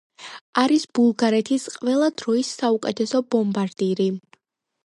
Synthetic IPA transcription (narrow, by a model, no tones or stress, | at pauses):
aɾisb̥ulˠɡaɾɛt̪ʰisqʼvɛlˠad̪ɾɔisːaukʼɛt̪ʰɛsɔbɔmbaɾd̪iɾi